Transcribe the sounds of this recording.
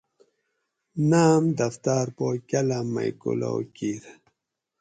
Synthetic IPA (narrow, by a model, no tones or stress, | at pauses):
naːmd̪aft̪aɾpokʲalama̰jkṵlo̰wkiɾ